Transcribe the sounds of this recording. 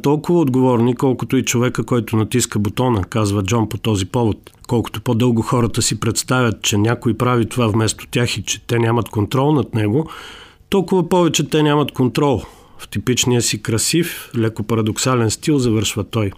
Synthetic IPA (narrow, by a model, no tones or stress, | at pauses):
t̪ɔlˠkʊvɐod̪ɡovɔɾnikɔlˠkʊt̪oit͡ʃovɛkəkɔjt̪ʊnɐt̪iskəbot̪ɔnəkazvəd͡ʒɔnpot̪ɔzipɔvot̪kɔlˠkʊ̥t̪opod̪ɤlˠɡʊxɔɾət̪əsipɾɛt̪st̪avʲjɐt̪̚t͡ʃɛnʲakoipɾavit̪ovavmɛst̪o̥t̪ʲjaxit͡ʃɛ̥t̪ɛnʲamɐt̪kont̪ɾɔlˠnɐt̪nɛɡo | t̪ɔlˠkʊvɐpɔvɛt͡ʃɛt̪ɛnʲamɐt̪kont̪ɾɔlˠ | ft̪ipit͡ʃnijəsikɾɐsiflɛkopɐɾɐd̪oksalɛnst̪ilˠzɐvɤɾʃvət̪ɔj